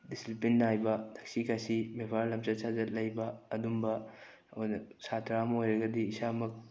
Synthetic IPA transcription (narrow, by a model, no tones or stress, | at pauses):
disipinːajbɐtʰɐk̚sikʰasimebʱaɾlɐmt͡ʃɐsazɐt̚lɐjbɐːdumbɐ | onɐsatʰɾamɐojɾɐɡɐdiːsamɐk̚